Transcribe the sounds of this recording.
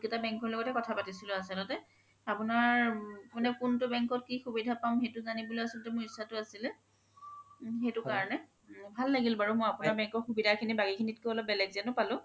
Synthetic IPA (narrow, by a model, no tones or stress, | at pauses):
kɛtabɛŋkɔɹlɔɡɔtɛkɔtʰapatisilʊasɛnɔtɛ | apʊnaɹmanɛkʊntʊbɛŋkɔt̚kixubidʱapamxetʊzanibuloasɔltɛmʊɹisːatʊasilɛ | xejtʊkaɹɔnɛ | bʱalːaɡilbaɹʊmɔjapʊnaɹbɛŋkɔɹxubidʱakʰinibakikʰinitkoɔlɔp̚bɛlɛɡzanʊpalʊ̃